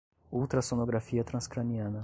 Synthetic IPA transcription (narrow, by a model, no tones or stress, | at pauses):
owt̪ɾɐsonoɡɾafiɐt̪ɾɐ̃skɾɐ̃niɐ̃nɐ